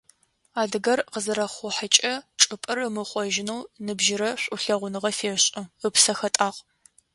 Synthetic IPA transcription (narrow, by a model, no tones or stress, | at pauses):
aːdɨɡɐrqəzɨɾɐχʷʊħat͡ʃʼɐʈ͡ʂʼɨpʼɨrɨmɨχʷɔʒɪnɐwnɨbʒɪɾɐɕʷʼʊɬɐʁʷʊnɨʁɐfeːɕʼɐəpsɐxɐtʼaːq